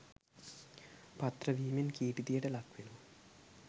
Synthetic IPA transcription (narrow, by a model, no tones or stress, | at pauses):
pɐt̪rɐʋiːminkiːʈid̪ijɐʈelɐkʋilu